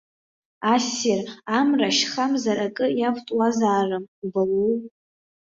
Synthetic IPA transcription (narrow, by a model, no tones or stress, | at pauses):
asɪramraʃχamzaɾakʼɨjavtʼwazaːrɨmbalu